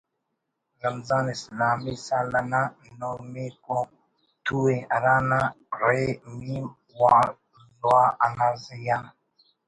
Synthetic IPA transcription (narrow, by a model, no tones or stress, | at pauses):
ɾɐmzaːnislaːmisalana | nomeko | t̪uweaɾana | ɾemi | wa | lwaʔanazija